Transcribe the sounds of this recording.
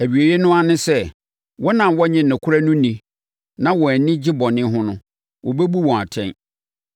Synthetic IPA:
æ˨bi˨e˨je˦nʊ̃˦a˦nɪ̃˦sɛ˦ | wɔ˦nã˨mwɔ˦ɲɪ̃˨nɪ̃˨kʷʰʊ˦ɾa˦nʊ̃˦nĩ˨ | nã˦wɔ˨æ˨nɪ̃˦d͡ʑɪ˦bɔ̃˨nɪ̃˦ɦʊ̃˦nʊ̃˦ | wɔ˨be˦bu˦wɔ̃˨a˨tʰɛ̰̃˦n

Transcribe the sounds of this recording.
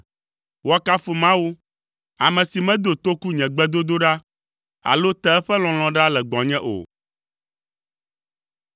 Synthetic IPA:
wɔ˦ka˦fo˨mã˦wu˦ | a̰˨mɛ̃˨si˨mɛ̃˦d̪o˨t̪o˦ku˦ɲɛ̃˨ɡ͡bɛ˦d̪o˦d̪o˦ɖa˦ | a̰˨lo˦t̪ɛ˦ɛ˦ɸɛ˦l̃ɔ̃˨l̃ɔ̃˨ɖa˦lɛ˨ɡ͡bɔ̃˨ɲɛ̃˦ʔo̰˨

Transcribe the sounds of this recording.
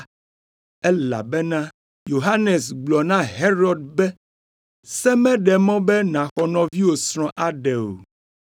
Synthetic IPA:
ɛ˦la̰˨bɛ˦nã˦ | jo˨ɦa˦nɛ˨s̬ɡ͡blɔ˨nã˦ɦe˦ɾɔ˨d̚bɛ˦ | sɛ˦mɛ̃˦ɖɛ˨mɔ̃˦bɛ˦nã˨xɔ˨nɔ̃˨vi˦wo˨sɾ̃ɔ̃˦ʔa˦ɖɛ˨o̰˨

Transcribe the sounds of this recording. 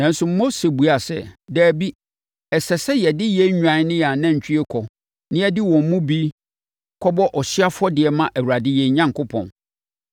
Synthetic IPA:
nã˨n̩˦sʊ˨m̩˦mo˦se˨bu˨a˨sɛ̰˦dæː˨bi˦ | ɛ˨sɛ˨sɛ˦jɛ˨dɪ˦jɛ˦ɲᶣã˨n˦nɪ̃˦ja˨nã˦ɲ̩˨t͡ɕʰᶣi˦e˦kʰɔ˨ | nɪ̃˦ɛ˦dɪ˦wɔ̃˨m˨mũ˦bi˦ | kʰɔ˦bɔ˦ʔɔ˨ɕɪ˦a˦fʊ˦ɔ˦dɪ˨ɛ˨mã˦ʔæ˨wu˨ɾa˨dɪ˦jɛ˨ɲã˦ŋkʰʊ˦pʰɔ̰̃˨n

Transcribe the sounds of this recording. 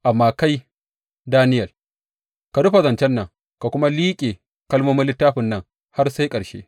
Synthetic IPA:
ʔa˨mːaː˨ka˦j | daː˦nɪ˦jɐ˨l | ka˨dʊ˦ɸa˨zɐ˨nt͡ʃɛ˦nːɐ˨ŋ | ka˨kʷʊ˦ma˦liː˦kʲʼeː˨ | kɐ˦lmoː˦mɐ˦lɪ˦tːaː˦ɸɪ˨nːɐ˦˨ŋ | ha˦rsa˦jkʼɐ˨ɾʃḛː˦

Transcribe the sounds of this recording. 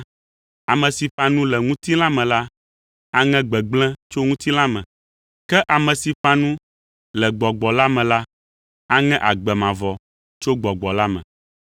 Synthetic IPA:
a˨mɛ̃˨si˨ɸã˦nũ˦lɛ˨ŋũ˦t̪i˦lã˦mɛ̃˨la˦ | a˦ŋɛ̃˦ɡ͡bɛ˨ɡ͡blɛ̃˦t͡ʃo˦ŋũ˦t̪i˦la˦mɛ̃˨ | kɛ˦ʔa˨mɛ̃˨si˨ɸã˦nũ˦ | lɛ˨ɡ͡bɔ˨ɡ͡bɔ˨la˦mɛ̃˨la˦ | a˦ŋɛ̃˦ʔa˨ɡ͡bɛ˨mã˨vɔ˨ | t͡ʃo˦ɡ͡bɔ˨ɡ͡bɔ˨la˦mɛ̰̃˨

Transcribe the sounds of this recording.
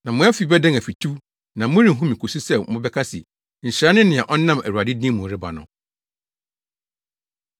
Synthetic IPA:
nã˨mʊ̃˦a˦fi˦bɛ˦dɛ̃˦ŋæ˨fi˨tʰu˦ | nã˨mʊ̃˦ɾĩ˨ɦũ˦mĩ˨kʰo˨su˦sɛ˦mʊ̃˦bɛ˦kʰa˦sɪ̰˨ | ɲ̩˨ɕɾa˦nɪ̃˦nɪ̃˨ã˨ʔɔ˦nã˦mæ˨ɾu˨a˨dɪ˦dĩ˦mːũ˨˦ɾɪ˦ba̰˨nʊ̰̃˨

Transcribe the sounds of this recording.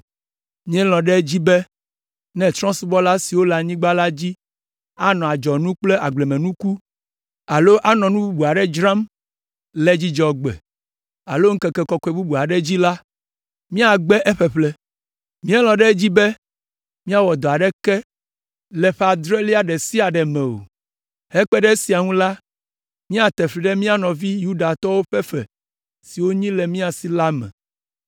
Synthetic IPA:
mĩ˦ɛ˦lɔ̃˨ɖɛ˦d͡ʑi˦bɛ˦ | nɛ̃˨t̪ɾɔ̃˦su˦bɔ˦la˦si˨wo˦la˨ɲĩ˦ɡ͡ba˦la˦d͡ʑi˦ | a˦nɔ̃˨a˨d͡ʒɔ˨nũ˦k͡plɛ˦ʔa˨ɡ͡ble˨mẽ˨nũ˦ku˦ | a˨lo˦ʔa˦nɔ̃˨nũ˦bu˦bu˨a˨ɖɛ˦d͡ʒɾã˦m | lɛ˦d͡ʑi˦d͡ʒɔ˨ɡ͡bɛ̰˨ | a̰˨lo˦ŋ̩˦kɛ˦kɛ˦kɔ˦kɔ˨e˨bu˦bu˨a˨ɖɛ˦d͡ʑi˦la˦ | mĩ˦a˨ɡ͡bɛ˦ʔɛ˦ɸɛ˨ɸlɛ˦ | mĩ˦ɛ˦lɔ̃˨ɖe˦d͡ʑi˦be˦ | mĩ˦a˦wɔ˨d̪ɔ˨a˨ɖɛ˦kɛ˦ | lɛ˨ɸe˦a˨d̪ɾɛ˦li˦a˨ɖɛ˨si˦a˨ɖɛ˨mɛ̃˨o̰˨ | hɛ˦k͡pɛ˦ɖɛ˦e˦si˨a˨ŋũ˦la˦ | mĩ˦a˨t̪ɛ˨ɸli˨ɖɛ˦mĩ˦a˦nɔ̃˨vi˦ju˦ɖa˨t̪ɔ˦wo˦ɸɛ˦ɸɛ̰˨ | si˨wo˦ɲĩ˦lɛ˨mĩ˦a˨si˦la˦mɛ̰̃˨

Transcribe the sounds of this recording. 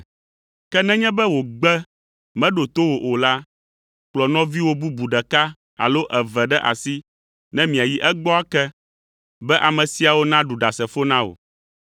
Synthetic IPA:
kɛ˦nɛ̃˦ɲɛ̃˦bɛ˦wo˨ɡ͡bɛ˦ | mɛ̃˦ɖo˨t̪o˦wo˨ʔo˨la˦ | k͡plɔ˨nɔ̃˦vi˦wo˦bu˦bu˨ɖɛ˨ka˦ | a̰˨lo˦ʔɛ˨vɛ˨ɖɛ˦ʔa̰˨si˦ | nɛ̃˦mĩ˨a˨ji˦ʔɛ˦ɡ͡bɔ˦a˦kɛ˦ | bɛ˦ʔa˨mɛ̃˨si˦a˨wo˦nã˦ɖu˨ɖa˨sɛ˨fo˦nã˦wo̰˨

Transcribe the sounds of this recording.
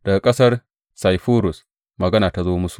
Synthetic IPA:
d̥ɐ˨ɡa˨kʼɐ˦sɐ˦r | sa˨jɸuː˦ɾʊ˨s | mɐ˨ɡɐ˦naː˨ta˦zoː˦mʊ˦su̥˨ʔ

